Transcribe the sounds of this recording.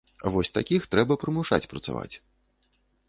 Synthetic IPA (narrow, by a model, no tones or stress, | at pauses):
avɔsʲt̪akʲixt̪ɾɛbɐpɾɨmuʂa̰t͡sʲpɾɐt̪sa̰va̰t͡sʲ